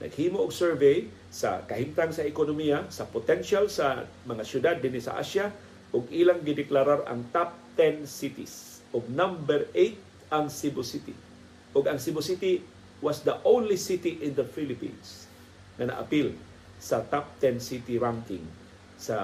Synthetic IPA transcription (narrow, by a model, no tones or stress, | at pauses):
nʔɐ̰ɡ̥̚hiːmoʊɡsɛɹvej | sɐ̰kɐhimt̪aŋsɐʔɪkonomijasɐpot̪ɛnʃalsɐ | mɐŋasjʊd̪ad̪ːinisɐ̰ʔa̰ʃa | ʔʊɡilaŋɡɪd̪ɪklaɾaɾɐ̰ŋt̪ap̚t̪ɛnsit̪ɪs | ʔʊɡ̚nambɛɾejt̪̚ | ʔaŋsibʊsit̪ɪ̰ | ʔʊɡɐŋsibʊsit̪ɪ | wasd̪ɐʔownlisit̪iʔɪnd̪ɐfilɪpḭns | ŋɐnɐ̰ʔa̰pil | sɐt̪ap̚t̪ɛnsit̪iɾaŋkɪ̰ŋ | sa